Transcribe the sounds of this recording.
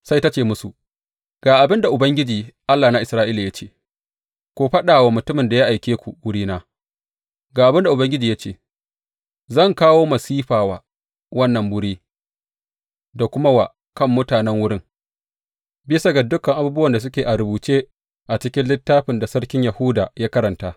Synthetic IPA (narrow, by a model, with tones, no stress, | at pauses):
sa˦jta˦t͡ʃeː˨mʊ˦su˨ | ɡ̥aː˨ʔa˨bɪ˦nda˨ʔʊ˨bɐ˦ŋɡʲɪ˦d͡ʒiː˨ʔa˦lːaː˨na˦ʔɪ˨sɾaː˦ʔiː˦la˨ja˦t͡ʃeː˦˨ | kʷoː˦ɸɐ˦ɗaː˨wa˨mʊ˨tʊ˦mɪ˨nda˨ja˦ʔa˨jkʲeː˦kʷṵ˨wʊ˦ɽiː˦naː˦ | ɡaː˨ʔa˨bɪ˦nda˨ʔʊ˨bɐ˦ŋɡʲɪ˦d͡ʒiː˨jaː˦t͡ʃeː˦˨ | zɐ˦˨ŋkaː˦woː˦mɐ˨siː˦ɸaː˨waː˨˦ | wɐ˦nːɐ˨mbʊ˦ɽiː˦ | da˨kʷʊ˦ma˦wa̰˨ | kɐ˦mːʊ˦taː˨nɛ˦ŋwʊ˦ɽɪ˦ŋ | bɪ˦sa˨ɡa˨dʊ˦kːɐ˨ŋʔa˨buː˦bʊ˦wɐ˨nda˨s̬ʊ˦kʲeː˨ʔa˨ɾʊ˨buː˨t͡ʃeː˦ | ʔa˨t͡ʃɪ˦kʲɪ˦nlɪ˦tːaː˦ɸɪ˨nda˨sɐ˦ɽkʲɪ˦ɲjɐ˨hu˦daː˨jaː˦kɐ˦ɾɐ˨ntaː˦